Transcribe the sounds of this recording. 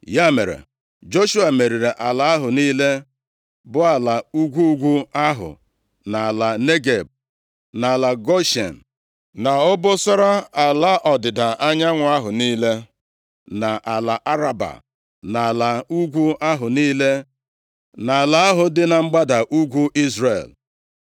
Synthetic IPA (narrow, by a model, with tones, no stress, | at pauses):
ja˦mḛ˨ɾḛ˨ | d͡ʒo˦ʃu˦a˨me˨ɾi˨ɾe˨ʔa˨la˨a˦ɦʊ˨niː˦le˦ | bʊ˦a˨la˨u˦ɡʷu˦ɡʷu˦a˦ɦʊ̰˨ | na˨a˨la˨ne˦ɡe˨b̚ | na˨a˨la˨ɡo˦ʃḛ˨n̩˨ | na˨ʊ˦bʊ˦sɔ˦ɾa˦a˨la˦ʔɔ˨dɪ˨da˨a˦ɲa˦ŋʷʊ˨a˦ɦʊ˨niː˦le˦ | na˨ʔa˨la˨ʔa˦ɾa˨ba̰˨ | na˨la˨u˦ɡʷu˦a˦ɦʊ˨niː˦le˦ | na˨a˨la˨a˦ɦʊ˨dɪ˦na˨ŋ͡m̩˦ɡ͡ba˦da˨ʔu˦ɡʷu˦ʔi˦zɾḛ˨l